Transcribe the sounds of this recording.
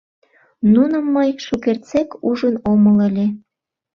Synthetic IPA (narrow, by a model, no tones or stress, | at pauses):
nunəmːəjʃukert͡sekuʒənomələlʲe